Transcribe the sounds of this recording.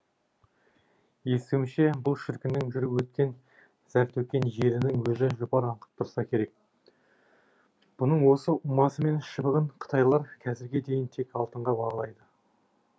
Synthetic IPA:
je̞sɪwɪʃe̞bʊlˠʃɪɾkʲɪnɪŋʒʏɾɪwɵt̪̚kʲe̞n | zæɾt̪ɵkʲe̞nʒe̞ɾɪnɪŋwɵzɪʒʊpɑɾɑɴqə̥p̚t̪ʰʊɾsɑkʲʰe̞ɾe̞k̚ | b̥ʊnəɴwo̞səʔʊmɑsəme̞nʃəbəʁəɴqʰə̥t̪ʰɑjlˠɑɾkʲʰæzɪɾɡʲe̞d̪e̞jɪnt̪ʰe̞kɑlˠt̪əɴʁɑbɑʁəlˠɑjd̪ə

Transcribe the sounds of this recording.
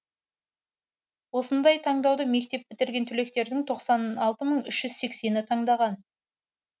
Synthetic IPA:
wo̞sənd̪ɑjt̪ʰɑɴd̪ɑwd̪əme̞k̚t̪e̞p̚bɪt̪ɪɾɡʲe̞nt̪ʰʏle̞k̚t̪e̞ɾd̪ɪŋt̪ʰo̞qsɑnɑlˠt̪əməɴʏʃʒ̥ʏzse̞kse̞nɪt̪ʰɑɴd̪ɑʁɑn

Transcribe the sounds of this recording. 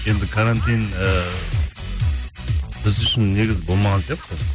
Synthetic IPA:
je̞nd̪ɪkʰaɾant̪ijnə | b̥ɪzʏʃɪnːe̞ɡʲɪzbo̞lˠmɑʁɑnsjeq̚t̪ə

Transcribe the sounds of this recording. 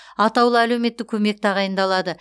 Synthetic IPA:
ɑt̪ɑwlˠəælewme̞t̪ːɪkʲʰɵme̞k̚t̪ʰɑʁɑjənd̪ɑlˠɑd̪ə

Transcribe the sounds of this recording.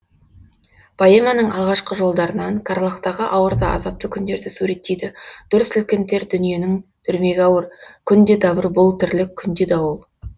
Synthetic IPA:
pʰajemɑnəɴʔɑlˠʁɑʃqəʒo̞lˠd̪ɑɾənɑŋkʰɑɾlˠɑqt̪ɑʁəʔɑwəɾd̪ɑʔɑ̰zɑp̚t̪əkʲʰʏnd̪e̞ɾd̪ɪsuɾe̞t̪ːejd̪ɪd̪̥ʊɾəsɪlkʲɪnt̪e̞ɾd̪ʏnije̞nɪŋt̪ʰʏɾme̞ɡʲɑwəɾkʲʰʏnd̪e̞d̪ɑbəɾbʊlˠt̪ʰʏɾlɪkʲʰʏnd̪e̞d̪ɑwolˠ

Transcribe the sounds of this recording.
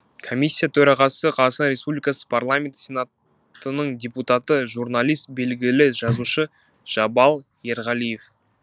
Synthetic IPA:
kʰo̞mʲijsʲːijat̪ʰɵɾɑʁɑsəqʰɑsənɾe̞spublikasə̥pʰarlˠamʲe̞nt̪sʲe̞nat̪ | ənəɴdʲe̞put̪at̪əʒuɾnalˠijst̪̚be̞lɡʲɪlɪʒɑzuʃə | ʒ̥ɑbɑlˠ | je̞ɾʁɑlˠije̞f

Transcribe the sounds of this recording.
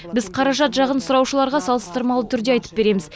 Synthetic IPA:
bɪzqʰɑɾɑʒɑt̪ʒɑʁənsʊɾɑwʃəlˠɑɾʁɑsɑlˠəst̪əɾmɑlˠət̪ʰʏɾd̪e̞ɑjt̪ə̥p̚be̞ɾe̞mɪz

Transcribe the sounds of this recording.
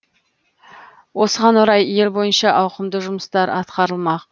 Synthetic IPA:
wo̞səʁɑnwʊɾɑje̞lbo̞jənʃɑʔɑwqəmd̪əʒʊməst̪ɑɾʔɑt̪qɑɾəlˠmɑq̚

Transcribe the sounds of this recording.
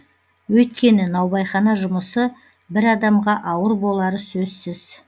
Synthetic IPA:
wɵjt̪kʲe̞nɪnɑwbɑjχɑnɑʒʊməsə | bɪɾɑd̪ɑmʁɑʔɑwəɾbo̞lˠɑɾəsɵzsɪz̥

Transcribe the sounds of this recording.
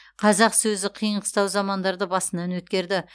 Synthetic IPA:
qʰɑzɑqsɵzɪqʰijəɴqʰə̥st̪ɑwzɑmɑnd̪ɑɾd̪əbɑsənɑnwɵt̪̚kʲe̞ɾd̪ɪ

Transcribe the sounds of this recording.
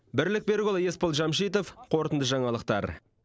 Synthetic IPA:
bɪɾlɪk̚be̞ɾɡʲolˠje̞spəlˠʒɑmʃijt̪o̞fqʰo̞ɾt̪ənd̪əʒɑɴɑlˠəq̚t̪ɑ̰ɾ

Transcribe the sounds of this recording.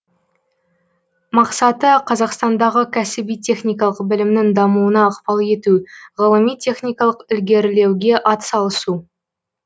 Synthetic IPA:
mɑqsɑt̪əqʰɑzɑqst̪ɑnd̪ɑʁəkʲʰæsɪbijt̪ʰʲe̞χnʲijkɑlˠəqbɪlɪmnɪŋd̪ɑmuənɑəqpɑlˠe̞t̪uʁəlˠəmijt̪ʲʰe̞χnʲijkɑlˠəqʏlɡʲe̞ɾle̞wɡʲe̞ʔɑt̪sɑlˠəsu

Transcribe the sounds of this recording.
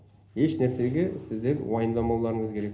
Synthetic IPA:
heʃnæɾseɡʲesɪzd̪enwɑjənd̪ˠɑmɑwlˠɑɾəɴəzkʲʰe̞ɾek̚ʲ

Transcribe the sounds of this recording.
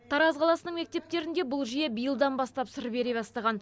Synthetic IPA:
t̪ʰɑɾɑzqʰɑlˠɑsənəɴme̞k̚t̪e̞p̚t̪e̞ɾɪnd̪e̞bʊlˠʒije̞bijəlˠd̪ɑnbɑst̪ɑpsɪɾbe̞ɾe̞bɑst̪ɑʁɑn

